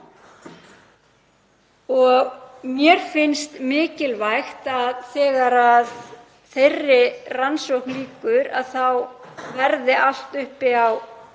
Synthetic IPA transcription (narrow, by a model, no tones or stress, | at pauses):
ɔɣmjɛɾ̥fɪnst̪mɪːcɪlvajxt̪aðθɛːɣaɾað | θejrːɪransowknliːkʏɾa̰ðθawvɛɾðɪʔal̥t̪ʏhpɪaw